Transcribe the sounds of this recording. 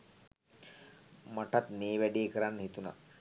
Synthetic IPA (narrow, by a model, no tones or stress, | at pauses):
maʈat̪meːʋæɖeːkəɾanːəɦit̪una̰